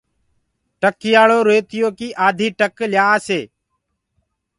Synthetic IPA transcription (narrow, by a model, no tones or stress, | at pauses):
ʈəkːɪjaːɭoːɾoːt̪ɪjoːkiːʔaːd̪ʱiːʈəkljaːseː